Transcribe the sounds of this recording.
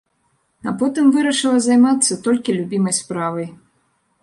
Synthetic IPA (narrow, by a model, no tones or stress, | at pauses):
apɔt̪ɨmvɨɾɐʂɨlˠɐzajmat̪sːɐt̪ɔlʲkʲilʲubʲimɐjspɾavɐj